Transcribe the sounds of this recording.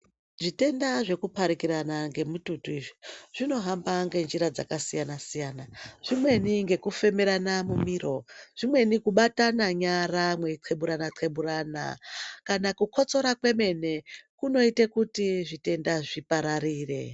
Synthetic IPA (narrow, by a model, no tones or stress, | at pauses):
ʐite̞ndaʐe̞kupaɾikiɾanaŋɡe̞mututuiʐiʐ̥ino̞ɦambaŋɡe̞nd͡ʒiɾad͡za̰kasijanasijaːnaʐ̥imwe̞niŋɡe̞kufe̞meɾanamumiːro̞ʐ̥imwe̞nikuɓatanaɲaramweǃʰe̞ɓuɾanaǃʰe̞ɓuɾana̰kanakukʰo̞t͡so̞ɾakwe̞me̞ne̞kuno̞itekutiʐite̞ndaʐipaɾaɾiːre̞̰